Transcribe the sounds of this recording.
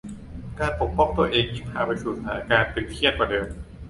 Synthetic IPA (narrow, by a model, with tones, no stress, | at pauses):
kaː˧npo˨˩k̚pɔ˧˩ŋt̪u˧ɐʔeː˧ŋji˧˩ŋhaː˩˦pa˧jsuː˨˩a̰ː˩˦kaː˧nt̪e˨˧˩nk̪ʰi˥˩˨t̪̚kwaː˧˩dɤː˧m